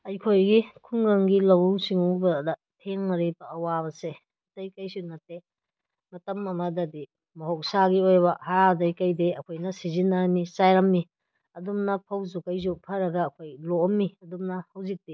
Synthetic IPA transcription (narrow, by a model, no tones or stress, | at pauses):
ɐjkʰojɡikʰuŋɡɐŋɡilɐwsiŋubɐdɐ | tʰeŋnɐɾebɐɐwabɐse | dɐjkɐjsunɐtːe | mɐtɐmɐmɐdɐdi | mɐɦok̚saɡiojbɐhadɐjkɐjdeɐkʰojnɐsizinːɐnisajɾɐmːi | ɐdumnɐpʰɐwzukɐjzupʰɐɾɐɡɐːkʰojlomːiɐdumnɐhɐwzik̚ti